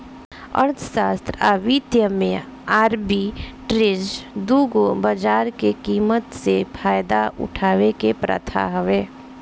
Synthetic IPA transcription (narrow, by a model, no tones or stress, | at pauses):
ə̰ɾt̪ʰʃaːst̪ɾaːʋiːt̪jəmẽ | aːɾbiʈɾɪzd̪uːɡobəd͡ʒaːɾkekiːmət̪sepʰaːjd̪aʔʊ̰ʈʰaːʋekepɾə̰t̪ʰa̰ɦɐʋeː